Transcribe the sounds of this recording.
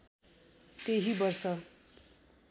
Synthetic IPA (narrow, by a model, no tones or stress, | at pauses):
t̪eɦibʌrsʌ